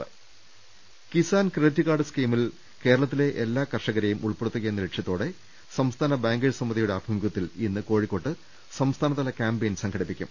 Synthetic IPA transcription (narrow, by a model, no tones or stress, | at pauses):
kisaːnkrtːɨkaːɖɨskiːmil | ke̞ːɾɐɭɐt̪̬ːile̞ʔelːaːkɐrʂɐɣɐɾɐjumʔuɭpeɽut̪ːuɣɐenːɐɾekʂjɐt̪ːoːɽe̞ | sɐmst̪ʰaːnɐbaːŋɡɐɻsɐmːɐd̪ijuɽeɐbʱɐmɡɐt̪ːilinːɨko̞ːɻikːo̞ːʈːɨ | sɐmst̪ʰaːnɐt̪ːɐlɐkʲaːmbeːnsɐŋɡʰɐɽipːikʲːṵm